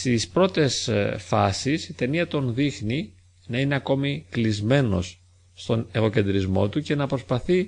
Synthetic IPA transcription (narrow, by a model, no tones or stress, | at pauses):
st̪ispɾo̞t̪e̞sfɐsisit̪e̞niɐt̪o̞nðixni | nɐineɐko̞miklizme̞no̞̰sː | t̪o̞neɣo̞ce̞nd̪ɾizmo̞̰t̪uce̞nɐpɾo̞spɐθi